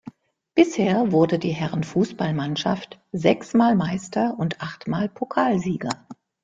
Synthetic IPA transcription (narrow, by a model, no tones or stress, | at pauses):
b̥ɪsheːɐvʊɐdədiːɦɛʁənfuːsb̥almanʃa̰ftz̥ɛksmaːlmaɪstɐʔʊntʔaχtmaːlpʰokʰaːlziːɡɐ